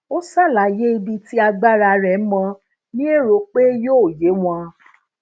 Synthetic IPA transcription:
o˦sa˦˨la˨je˦i˧bi˧ti˦a˧ɡ͡ba˦ɾa˧˨ɾɛ˨˦mɔ̃˧ | nĩ˦e˦˨ɾo˨˦k͡pe˦joː˦˨je˨˦w̃ɔ̃˧

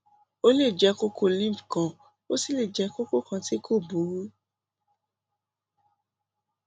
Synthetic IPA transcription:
o˦le˦˨d͡ʒɛ˨˧ko˧ko˧lĩ˦˨pkã˨ | o˦si˦le˦˨d͡ʒɛ˧˦ko˦ko˦˨kã˧ti˦kʰo˦˨bu˨˦ɾu˦

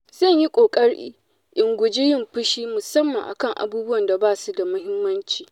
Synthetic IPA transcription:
zɐ˦ɲji˦kʷʼoː˨kʼɐ˦ɽʔḭː˦ | ʔɪ˨ŋɡʷʊ˨d͡ʒi˦jɪ˦˨mɸɪ˦ʃiː˦mʊ˨sɐ˦mːɐ˨ŋʔa̰˨kɐ˦ŋʔa̰˨buː˦bʊ˦wɐ˨nda˨baː˦su˦da˨mʊ˦ɦɪ˦mːɐ˦nt͡ʃiː˨

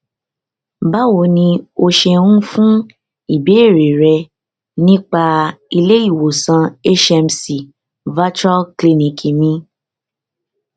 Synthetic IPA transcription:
ba˦wo˨˧˦nĩ˧o˧ʃɛ˧ũ˦fũ˦ | i˦˨be˨˦e˦˨ɾe˨ɾɛ˧ | nĩ˦k͡pa˧i˧le˦i˦˨wo˨sã˧e˦ʃɛ˧msi˨ | va˦t͡ʃɔ˦lkli˧nĩ˨ki˨mĩ˧˦

